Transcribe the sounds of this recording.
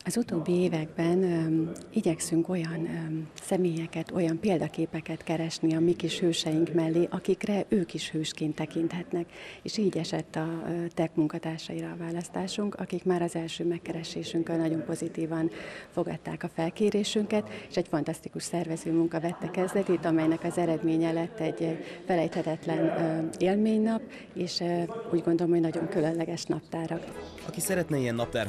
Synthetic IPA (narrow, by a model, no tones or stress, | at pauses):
ɒzut̪oːbːieːvɛɡbɛn | iɟɛksyŋko̞jɒnsɛmeːjɛkɛt̪o̞jɒmpeːld̪ɒkeːpɛkɛt̪kɛɾɛʃniɒmikiʃhøːʃɛjiŋkmɛlːeːʔɒkikrɛʔøːkiʃhøːʃkeːnt̪ːɛkint̪hɛt̪nɛkeːʃiːɟɛʃɛt̪ːɒt̪ɛkmuŋkɒt̪aːrʃɒiɾɒːvaːlɒst̪aːʃuŋkɒkikmaːɾɒzɛlʃøːmɛkːɛɾɛʃeːʃyŋkɛnɒɟo̞mpo̞zit̪iːvɒnfo̞ɡɒ̰t̪ːaːkɒfɛlkeːɾeːʃyŋkɛt̪eːʃɛcfɒnt̪ɒst̪ikuʃsɛrvɛzøːmuŋkɒvɛt̪ːɛkɛzd̪ɛt̪it̪ɒmɛjnɛkɒzɛɾɛd̪meːɲɛlɛt̪ːɛɟːfɛlɛjt̪hɛt̪ɛt̪lɛneːlmeːɲnɒp | eːʃuːɟɡo̞nd̪o̞lomhoɟnɒɟo̞ŋkylønlɛɡɛʃnɒp̚t̪aːɾɒk | ɒkisɛɾɛt̪nɛiɛnːɒpt̪ɛ̰r